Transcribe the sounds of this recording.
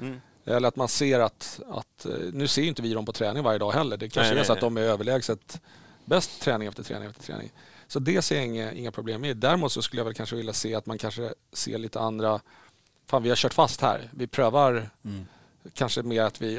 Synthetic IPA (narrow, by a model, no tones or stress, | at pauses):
ɛlːəɾat̪manseːɾat̪a̰t̪nʉ̟ːseːɾjʏɪnt̪əvɪɾɔmpʰɔt̪ʰɾɛːnɪŋvaɾjəd̪ɑːɦɛlːəɖɛkʰaʂəɛsat̪d̪ɔmæɾøːvəɭɛːɡsət̪ | bɛst̪ʰːɾɛːnɪŋɛft̪əʈ̪ʰɾɛ̰ːɪŋɛft̪ə̥tʰɾɛ̰ːnɪ̰ŋsɔd̪ɛseːjaɪŋːəʔɪ̰ŋːapʰɾʊbleːmːɪd̪æɾmuːt̪sɔskɵlːəjavɛlkʰanʂəvɪljaseːat̪mankʰanʂəsḛːɭiːt̪ʰəand̪ɾa | faːnvɪhaɾɕœːʈfast̪hæ̰ːɾvɪpʰɾøːvaɾ | kʰanʂəmeːɾat̪vɪ